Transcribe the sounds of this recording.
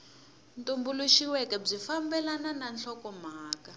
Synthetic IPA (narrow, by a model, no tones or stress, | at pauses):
ntombuluʃiwɛkɛb͡ʐifambɛlanananɬʰɔkɔm̤aːka